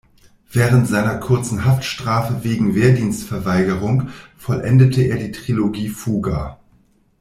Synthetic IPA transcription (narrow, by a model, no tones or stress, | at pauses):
v̥ɛːʁ̞əntz̥aɪnɐkʰʊɐt͡sn̩ɦaftʃtʁ̥aːfəveːɡŋ̩veːɐdiːnstfɛɐvaɪɡəʁ̞ʊŋfɔlʔɛndətʰəʔeːɐdiːtʁ̥iloɡiːfuːɡa̰